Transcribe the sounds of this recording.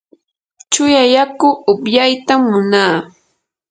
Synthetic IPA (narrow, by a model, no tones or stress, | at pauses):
t͡ʃʊjajakʊʊpjajt̪amːʊnaː